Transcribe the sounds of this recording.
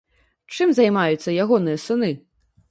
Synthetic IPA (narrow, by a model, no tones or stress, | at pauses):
t͡ʂɨmzajmajut̪sːɐjaɣɔnɨjɐsɨnɨ